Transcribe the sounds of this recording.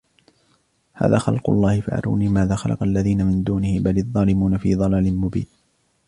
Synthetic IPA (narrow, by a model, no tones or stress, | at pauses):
ha̰ːðaːxɑ̰lqʊ̰lˤːɑːhɪfa̰ʕɑ̰ɾˤa̰ːniːmaːðaːxɑlʔɑ̰qɑlːaðiːnamɪnd̪uːnɪhɪbalɪðˤːɑːlɪmuːnafiːðˤɑlaːlɪnmʊbḭːn